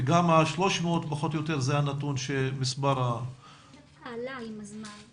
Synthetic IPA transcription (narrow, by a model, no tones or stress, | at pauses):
ɡamaʃlo̞ʃmeot̪paχo̞t̪ojo̞t̪eʁzeajanat̪unʃemisbaʁa